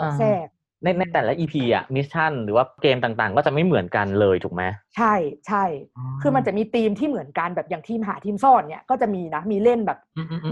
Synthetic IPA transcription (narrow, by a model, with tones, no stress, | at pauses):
sʰɛː˥˩k̚ | na˧jna˧jt̪ɛː˨˩la˦˥ʔiː˧pʰiː˧ʔa̰˨˩mi˦˥s̚t͡ɕʰa˥˩nɾɯː˩˦waː˥˩keː˧mt̪aː˨˩ŋt̪aː˨˩ŋkɔ˥˩t͡ɕa˨˩ʔma˥˩jmɯ˩˦ənka˧nlɤː˧jt̪ʰuː˨˩ma˦˥t͡ɕʰa˥˩jt͡ɕʰa˥˩jkʰɯː˧ma˧nt͡ɕa˨˩ʔmiː˧t̪iː˧mt̪ʰiː˥˩mɯ˩˦ənka˧nbɛː˨˩p̚jaː˨˩ŋt̪ʰiː˧mɦaː˩˦t̪ʰiː˧msɔː˥˩n̚ni˥˩ɐkɔː˥˩t͡ɕa˨˩ʔmiː˧na˦˥miː˧le˥˩nbɛː˨˩p̚ː